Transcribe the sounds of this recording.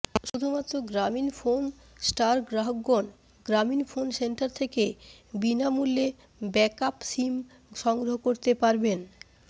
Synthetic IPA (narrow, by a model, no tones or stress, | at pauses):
ʃud̪ʱumat̪ːɾoɡɾaminfon | sʈaɾɡɾaɦoɡːon | ɡɾaminfonsenʈaɾt̪ʰekebinamulːe | bɛkapsim | ʃɔŋɡɾoɦokoɾt̪epaɾben